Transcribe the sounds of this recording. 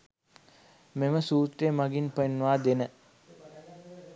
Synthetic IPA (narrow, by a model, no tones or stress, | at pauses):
meməsuːt̪ɾeːmaɡinpəinːʋaːd̪enə